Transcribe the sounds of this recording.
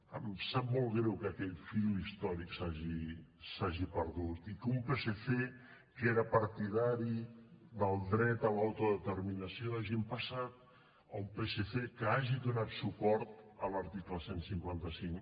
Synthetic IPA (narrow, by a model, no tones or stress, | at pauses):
ə̰msap̚mɔlˠɣɾɛwkəkɛʎfilist̪ɔɾiksaʒisaʒipəɾðut̪ikumpeseθe | keɾəpəɾt̪iðaɾid̪əlˠd̪ɾɛt̪əlawt̪uðət̪əɾminəsioðaʒimpəsat̪ | əumpeseθekəaʒiðunat̪supɔɾt̪ələɾt̪ikləsensiŋkwant̪əsiŋ